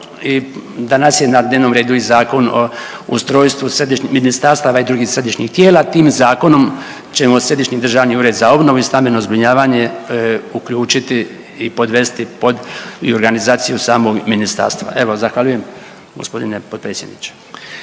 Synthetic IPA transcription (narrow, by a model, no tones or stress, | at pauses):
id̪anasje̞nad̪neʋno̞mɾe̞ːd̪uizaːko̞nṵst̪ɾo̞ːjst̪ʋused̪iʃɲiminist̪aɾst̪aʋaid̪ɾuːɡiːxsɾe̞d̪iʃɲixt̪jeːlaːt̪iːmzaːko̞no̞m | t͡ɕe̞mosɾe̞d̪iʃɲid̪r̩ʒaːʋniuːɾe̞d̪zao̞bno̞ʋuist̪ambenozbɾiɲaːʋaːɲe̞ukʎuːt͡ʃit̪iː | po̞d̪ʋe̞st̪ipo̞d̪io̞ɾɡanizaːt̪sijusaːmo̞ɡminist̪a̰ːɾst̪ʋa̰ʔe̞ʋo̞zaxʋaʎuje̞m | ɡospo̞d̪inepo̞d̪̚pɾeːsʲje̞d̪nḭt͡ʃe̥